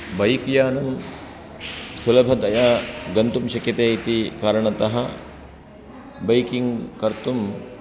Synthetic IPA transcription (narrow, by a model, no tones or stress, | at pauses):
bɐjkjaːnɐm | sulɐbʱɐd̪ɐjaːɡɐnt̪umʃɐkjɐt̪eːit̪ikaːɾɐɳɐt̪ɐɦɐ | bɐjkiŋɡkɐɾt̪um